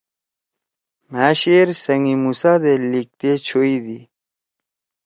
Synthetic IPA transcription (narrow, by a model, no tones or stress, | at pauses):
mæːɕeːɾsɐŋimusaːd̪elik̚t̪et͡ɕʰoːid̪i